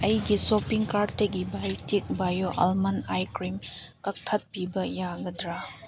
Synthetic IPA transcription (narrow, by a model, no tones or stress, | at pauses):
ɐjɡisopiŋkaɾteɡibajtik̚bajoʔɐ̰lmɐnajkɾim | kɐk̚tʰɐt̚pibɐjaɡɐdɾa